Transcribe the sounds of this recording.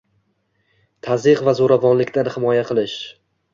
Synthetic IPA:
t̪ʰazɪqvazoɾavɒnlɪkʲt̪ʰanhɪmɒjaqʰɨlˠɪʃ

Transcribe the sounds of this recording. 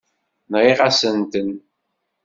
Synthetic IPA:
nʁiʁasənt̪ən

